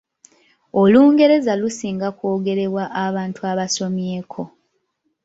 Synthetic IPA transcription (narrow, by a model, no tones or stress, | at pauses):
oluːŋɡe̞ɾe̞zalusiːŋɡako̞ːɡe̞ɾe̞βwaʔaβaːntuaβaso̞mje̞ːkʰo̞